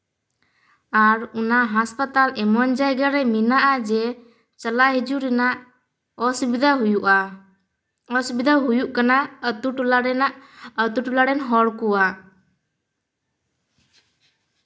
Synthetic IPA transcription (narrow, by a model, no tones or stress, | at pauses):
aɾunaɦaspat̪alɛmɔnd͡ʒajɡaɾɛminaʔad͡ʒɛ | t͡ʃəlaɦid͡ʒuɾɛnaʔ | ɔsubid̪ʱaɦujuʔa | ɔsubid̪ʱaɦujuʔkanaət̪uʈulaɽɛnaʔət̪uʈulaɽɛnɦɔɽkuwa